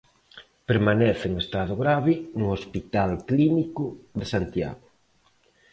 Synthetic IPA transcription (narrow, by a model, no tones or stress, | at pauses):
peɾmanɛθɪeŋest̪að̞ʊɣɾaβɪnuospit̪alklinikʊðɪsant̪ja̰ɣʊ